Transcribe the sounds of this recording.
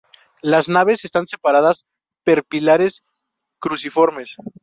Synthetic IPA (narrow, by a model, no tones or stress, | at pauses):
laznaβe̞sest̪anse̞paɾaðas | pe̞ɾpilaɾe̞s | kɾusifoɾme̞s